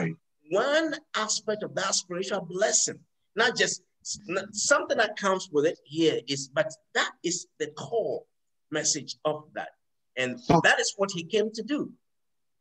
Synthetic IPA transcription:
wʌ̃næspɛk̚tʌvðətspɪɹɪt͡ʃlˠblɛsɪ̃ŋ | nət̚d̥ʒ̥ʌst | nsʌ̃mθɪ̃ŋðɨt̚kʰʌ̃mzwɪðɪt̚hiɹɪzbʌt̪̚ðɨɾɪzðɨkʰɔlˠ | mɛsɨd͡ʒʌvðæ̰t̚ | ɨ̃nðɨɾɨzwʌt̚hikẽɪ̃mtɨdu

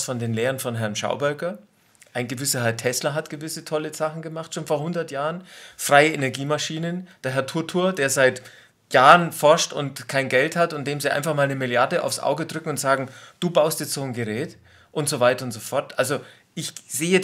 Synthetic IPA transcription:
sfɔndeːnleːʁənfɔnɦɛɐnʃa̰ʊbœɐkɐ | ʔaɪnɡəvɪsɐɦɛɐtʰɛslɐɦatɡ̥əvɪsətʰɔləz̥aχn̩ɡəmaχtʃoːnfoːɐhʊndɐtjaːʁənfʁ̥aɪəenɛɐɡiːmaʃiːnənd̥eːɐɦɛɐtʰuːɐtʰuːɐdeːɐzaɪt | jaːʁənfɔɐʃtʊ̰ntkʰaɪnɡɛlthatʊntd̥eːmziːʔa̰ɪnfaχmaːlnəmɪljaɐdəʔa̰ʊfsʔa̰ʊɡədʁʏkŋ̩ʊntz̥aːɡŋ̩d̥uːbaʊstd̥ɪːt͡sz̥oːnɡəʁɛːt | ʔʊntz̥ovaɪtɐʊntz̥ofɔɐtʔalzo | ʔɪçz̥eːə

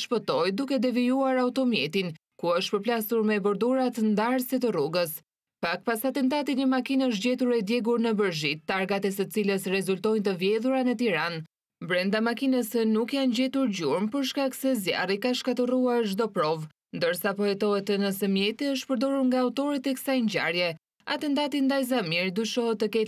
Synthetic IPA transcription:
ʃpət̪ɔjd̪ukɛd̪ɛviuaɾaut̪ɔmjɛt̪in | kuəʃt̪pəɾplasuɾmɛbəɾd̪uɾat̪ənd̪aɾsit̪əruɡəs | pak̚pasat̪ɛnt̪̬at̪iɲəmakinəʃ̬ɟɛt̪uɾɛd̪jɛɡuɾnəbəɾʒit̪ːaɾɡat̪ɛsət͡siləsɾɛzult̪ɔjnt̪əvjɛðuɾanət̪iɾan | bɾɛnd̪amakinəsɛnukjanɟɛt̪uɾɟuɾmpəɾʃkaksɛzja̰rikaʃkat̪əruaɾʒd̪ɔpɾɔv | nd̪əɾsapɔɛt̪ɔɦɛt̪ːənəsɛmjɛt̪iəʃ̬pəɾd̪ɔɾuɾŋɡaːut̪ɔɾit̪ɛkə̥sajɲɟa̰ɾjɛ | a̰t̪ɛnt̪at̪ind̪ajzamiɾd̪uʃɔɦɛt̪ːəkɛ

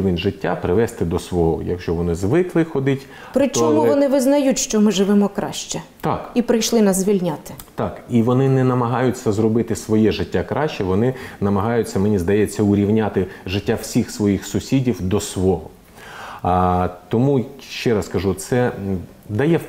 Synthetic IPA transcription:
iʋɪnʲʒɪtʲːa̰pɾɪʋɛst̪ɪd̪ɔsʋɔɦɔjɐ̰kʃt͡ʃɔʋɔnɪzʋɪklˠɪxɔd̪ɪtʲ | pɾɪtt͡ʃɔmuʋɔnɪʋɪznɐjutʲʃt͡ʃɔmɪʒɪʋɛmɔkɾɑ̰ʃt͡ʃɛt̪ɑkipɾɪjʃlˠɪnɐzʲʋʲilʲnʲat̪ɪ̥ | t̪ɑkiʋɔnɪnɛnɐmɐɦɑjʊt͡sʲːɐzrɔbɪt̪ɪsʋɔjɛʒɪtʲːakɾɑʃt͡ʃɛʋɔnɪnɐmɐɦɑjʊt͡sʲːɐmenʲizd̪ɐjɛt͡sʲːɐʊɾʲiwnʲat̪ɪʒɪtʲːaw̥sʲixsʋɔjixsʊsʲidʲiwd̪ɔsʋɔɦɔ | t̪ɔmuʃt͡ʃɛɾɑskɐʒut̪sɛ | d̪ɐjɛ

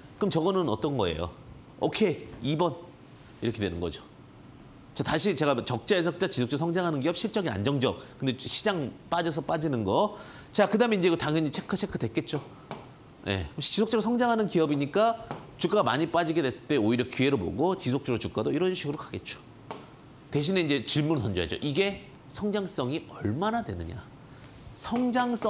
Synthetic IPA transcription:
kɯmt͡ɕʌɡʌnɯnʌt͈ʌnɡʌ̰e̞̰jo̰ | okʰe̞ibʌn | iɾʌkʰedwe̞nɯnɡʌ̰d͡ʑo | t͡ɕataɕʰit͡ɕe̞ɡat͡ɕʌk̚t͡ɕ͈aes̬ʰʌkɯt͡ɕ͈at͡ɕisʰok̚t͡ɕoɾosʰʌŋd͡ʑaŋɦanɯnk̬iʌp̚ɕ͈ʰiɭt͡ɕ͈ʌɡia̰nd͡ʑʌŋd͡ʑʌk̚k͈ːɯndeɕʰid͡ʑaŋp͈ad͡ʑʌs̬ʰʌp͈ad͡ʑinɯnɡʌ | t͡ɕakɯdaːmeind͡ʑeɡʌtaŋjʌɲit͡ɕʰekʰɯt͡ɕʰe̞kʰɯtwe̞k͈e̞t̚t͡ɕ͈o | je̞̰kt͡ɕisʰok̚t͡ɕ͈ʌɾosʰʌŋd͡ʑaŋɦanɯnkiʌbiɲik͈at͡ɕuk͈aɡamaɲip͈ad͡ʑiɡe̞dwe̞s͈ɯ̥ɭt͈eoiɾjʌkie̞ɾobo̰ɡot͡ɕisʰok̚t͡ɕ͈oɾot͡ɕuk͈adoiɾʌnɕʰiɡɯɾokaɡe̞t̚t͡ɕ͈o̥ | te̞ɕ̬ʰine̞ind͡ʑe̞t͡ɕiɭmunɯsʌnd͡ʑoja̰d͡ʑo̰ʔiɡe̞ | sʰʌŋd͡ʑaŋs͈ʌŋiʌɭmanadwe̞̰nɯ̰ɲa̰ | sʰʌŋd͡ʑaŋs͈

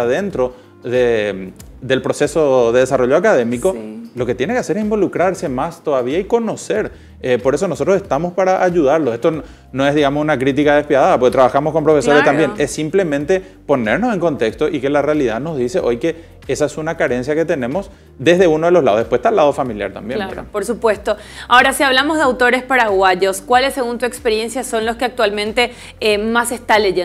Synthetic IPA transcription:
aðe̞nt̪ɾo̞ | ðe | ðe̞lpɾo̞se̞so̞ðeðesaroʝo̞akaðe̞miko̞lo̞ke̞t̪jene̞keaseɾesimbo̞lukɾaɾse̞mast̪o̞ðaβiaiko̞no̞se̞ɾ | epo̞ɾe̞s̬o̞no̞sot̪ɾose̞ht̪amo̞spaɾaʔaʝuðaɾlose̞ht̪o | no̞e̞zðiɣamosunakɾit̪̬ikaðespjaðaðap̬oket̪ɾaβaxamosko̞mpɾo̞fe̞so̞ɾest̪ambje̞nesːimple̞mẽnt̪e̞ | po̞ne̞ɾnose̞ŋko̞nt̪e̞kst̪o̞ʔike̞larealiðano̞zðise̞ʔo̞jke̞ | esaesunakaɾe̞nsjake̞t̪e̞nẽ̞mo̞s | d̪e̞zðe̞unoðelo̞ɦlaðoðepweht̪alːaðo̞familja̰ɾt̪a̰mbjenea̰poɾsupwest̪o̞ao̞ɾasiaβlamozðeawt̪o̞ɾe̞spaɾaɣwaʝo̞skwalesse̞ɣunt̪uekspeɾje̞nsjaso̞nloskeak̚t̪ualmẽnt̪e̞ | emasest̪aleʝe

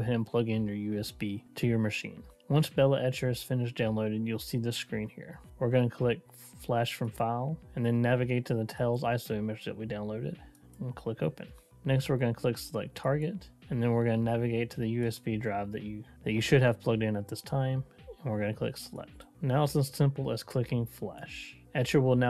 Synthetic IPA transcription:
ɪ̃mpʰl̥ʌɡɪ̃njə˞jʉɛsb̥iɾʰɨjə˞mɨʃḭ̃n | wʌ̃nsb̥ɛlˠəʔɛt͡ʃə˞z̥fɪ̃nɨʃd̥ãʊ̃nloʊɾɨdjɨlˠsiðɪskɹĩnhḭɹwɨɹɡʌnəkʰl̥ɪk̚ | flæʃfɹʌ̃ɱfaɪlˠɨ̃nðɨ̃nːævɨɡeɪtʰɨðɨtʰɛlˠzaɪsomɛʒðɨ̰ʔ̚widãʊ̃nloʊɾɪ̰ɾ | n̩kʰl̥ɪkoʊpɨ̰̃n | nɛkst̚wɨɹɡʌnəkʰl̥ɪksəlaɪk̚tʰɑɹɡɨt | ɨ̃nðɨ̃nwɪɹɡʌnənævɨɡeɪtʰɨðɨjʉɛsbidɹaɪvðɨ̰t͡ʃɨðɨt͡ʃɨʃɨɾɨv̥pʰl̥ʌɡ̚dãnət̪̚ðɪstʰãɪ̃m | ə̃nwɨɹɡʌnɨkʰl̥ɪ̰ksəlɛ̰k̚t̚ | naʊəsɨ̃nssɪ̃mpl̩ˠəz̥kʰl̥ɪkɪ̃ŋflæ̰ʃ | ɛt͡ʃə˞wɪlˠna

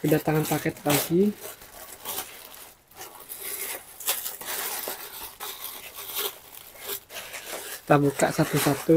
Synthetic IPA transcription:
kədat̪aŋanpakɛt̪kaɡi | t̪abukaʔsat̪usat̪u

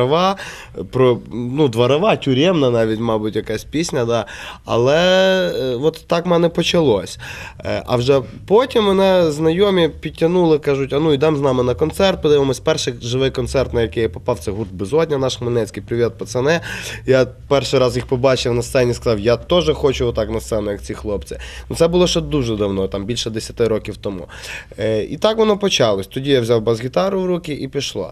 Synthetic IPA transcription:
ɐʋɑ | pɾɔnud̪ʋɐɾɐʋɑtʲʊɾʲɛmnɐnɑʋʲitʲmɑbʊtʲjɐkɑsʲpʲisʲnʲɐd̪ɑɐ̰lˠɛ | ʋɔt̪ːɑkmɛnɛpɔt͡ʃɐlˠɔsʲ | ʔɐ̰wʒɛpɔtʲimʋɔnɛznɐjɔmʲipʲitʲːɐnulˠɪkɑʒʊtʲɐnuid̪ɑmznɑmɪnɐkɔnt̪sɛrt̪̚pɔd̪ɪmɪmɔsʲpɛrʃɪʒɪʋɪjkɔnt̪sɛrt̪nɐjɐkɪjɐpɔpɑwt̪sɛɦurd̪̚bɪzɔdʲnʲɐnɑʃmɐnɛt͡sʲkɪjpɾʲɪʋʲit̪̚pɔt̪sɛnɛja | pɛrʃɪɾɑzjixpɔbɑt͡ʃɪwnɐst̪sɛnʲiskɐzɑwjat̪ɔʒɛxɔt͡ʃʊʋɔt̪ɑknɐst̪sɛnɔjɐkt͡sʲixlˠɔpt͡sʲinut̪sɛbʊlˠɔʃɛd̪uʒɛd̪ɐwnɔt̪ɑmbʲilʲʃɛd̪esʲɐt̪ɪɾɔkʲiwt̪ɔmṵ | ḭt̪ɑkʋɔnɔpɔt͡ʃɑlˠɔsʲt̪ɔdʲijawzʲawbɐzɣʲit̪ɑɾʊwɾukʲɪʔipʲiʃlˠa̰

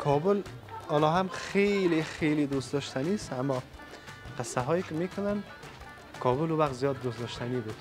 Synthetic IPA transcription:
kʰɔbul | ɔlɔɦamχeliχelid̪ust̪d̪ɔʃt̪ʰanist̪amːɔ | qʰɪsːaɦɔikimekʰʊnan | kʰɔbuluvaq̚t̪zijɒd̪ːust̪d̪ɔʃt̪ʰanibud̪̥

